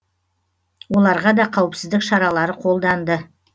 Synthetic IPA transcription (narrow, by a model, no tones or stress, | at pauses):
wo̞lˠɑɾʁɑd̪ɑqʰɑwəpsɪzd̪ɪkʃɑɾɑlˠɑɾəqʰo̞lˠd̪ɑnd̪ə